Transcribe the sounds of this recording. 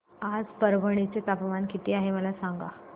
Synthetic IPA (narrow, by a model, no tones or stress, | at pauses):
ad͡zpəɾʋəɳ̃it͡set̪apəʋankit̪iːaɦeməlasaŋɡa̰